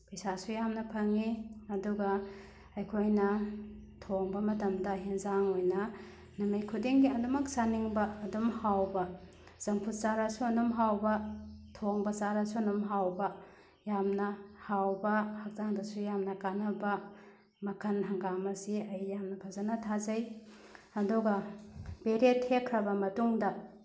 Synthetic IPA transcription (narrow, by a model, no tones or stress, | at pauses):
pɐjsasujamnɐpʰɐŋiɐduɡɐ | ɐjkʰojnɐtʰoŋbɐmɐtɐmdɐɦenzaŋojnɐ | numɐjkʰudiŋɡiɐdumɐk̚saniŋbɐːdumhawbɐ | z̥ɐŋpʰut̚t͡ʃaɾɐsuɐnumɦawbɐtʰoŋbɐsaɾɐsuɐnumɦawbɐ | jamnɐhawbɐhɐk̚zaŋdɐsujamnɐkanɐbɐ | mɐkʰɐnɦɐŋɡamɐsiɐjːamnɐpʰazɐnɐtʰazɐj | ɐduɡɐbeɾethekʰɾɐbɐmɐtuŋdɐ